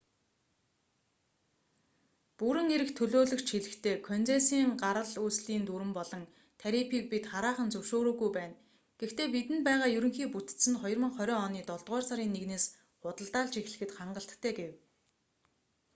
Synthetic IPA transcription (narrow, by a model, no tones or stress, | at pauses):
puɾɘ̆ŋeɾɘ̆kt̪ʰɵɮoːɮɵ̆xt͡ɕʰxiɮɘ̆xt̪ʰeːkʰœnt͡seːsiːŋɢaɾə̆ɮuːsɮiːnt̪uɾɘ̆mpɔɮɞ̆ŋ | t̪ʰæɾipʰiːk̚pit̪χaɾaːχə̆nt͡sɵwʃoːɾoːɣujpæːn | ɡ̥ext̪ʰeːpit̪ɘ̆npæːʁaːjɵɾɵ̆ŋxiːput̪ɘ̥̆sɘ̆nχɔjɞ̆rmə̆ŋχœɾʲœːɔniːt̪ɔɮt̪ʁɔːrsaɾiːnːeɣneːs | χʊt̪ə̆ɮt̪aːɮt͡ɕex̆ɮɘ̆xɘ̆t̪χaɴɢə̆ɬt̪ʰːæːɡew